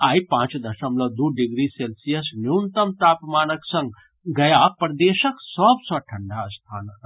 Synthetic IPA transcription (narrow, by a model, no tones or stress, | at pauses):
aːjpãːt͡ʃd̪əsəmləd̪uɖiɡɾiselsijəsnjunt̪əmt̪aːpmaːnəksə̃ŋɡ | ɡəjapɾd̪eʃəksəbsə̃ʈʰəɳɖaəst̪ʰaːnə